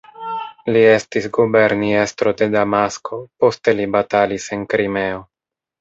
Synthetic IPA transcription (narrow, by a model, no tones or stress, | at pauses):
lie̞stisɡubeɾniest̪ɾo̞de̞damaskopo̞ste̞libatalise̞nkɾime̞o̞